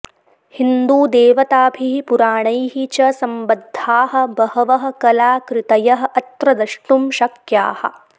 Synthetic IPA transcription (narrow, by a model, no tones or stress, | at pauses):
hind̪uːd̪eːʋɐt̪aːbʱiɦipuɾaːɳɐjɦit͡ʃɐsɐmbɐd̪ʱːaːɦɐ̆bɐhɐʋɐɦɐ̆kɐlaːkɾɪt̪ɐjɐɦɐ̆ʔɐt̪ɾɐd̪ɐʂʈumʃɐkja̰ːhɐ̰̆